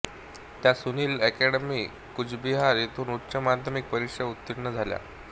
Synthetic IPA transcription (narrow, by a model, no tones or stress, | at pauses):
t̪jasuniːlɛkɛɽəmiː | kud͡ʑbiɦaɾet̪ʰuːnutːɕəmad̪ʱəmik̚pəɾikʂəut̪ːiɽnəd͡zʱalja̰